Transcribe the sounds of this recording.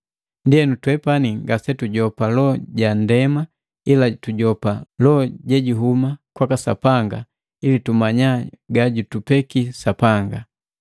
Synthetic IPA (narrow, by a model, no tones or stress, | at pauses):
ndiɛnutwɛpaniŋɡasɛtuɟɔpalɔɟandɛma | ilatuɟɔpalɔɟɛɟuɦumakwakasa̰paŋɡa̰ | ilitumaɲaɡaɟutupɛkisapaŋɡa